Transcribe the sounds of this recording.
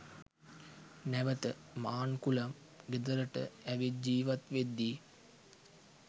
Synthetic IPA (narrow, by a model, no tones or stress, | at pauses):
næʋət̪ə | maːnkulɐm | ɡed̪əɾəʈə̰æʋid͡ʒiːʋat̪ʋed̪ːi